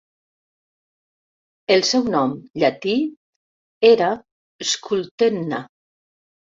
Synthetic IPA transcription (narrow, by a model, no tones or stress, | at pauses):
elˠsɛwnɔmʎat̪i | eɾa | eskult̪enːa